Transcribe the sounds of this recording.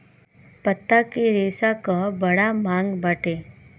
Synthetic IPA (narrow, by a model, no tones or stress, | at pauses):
pɐt̪ːakeɾeːsakabɐɽamãːŋɡbɐʈeː